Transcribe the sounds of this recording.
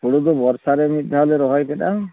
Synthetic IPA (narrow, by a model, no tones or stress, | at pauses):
puɽud̪ɔbɔɾsaɾemid̪ʱːaleɾɔɦɔjkeɗa